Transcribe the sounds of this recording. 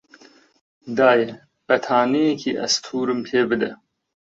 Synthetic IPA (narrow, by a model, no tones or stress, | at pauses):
d̪aːjɛ | pɛt̪ʰaːnijɛkʰiʔɛ̰st̪ʰuːɾɨmpʰeːbɨd̪ɛ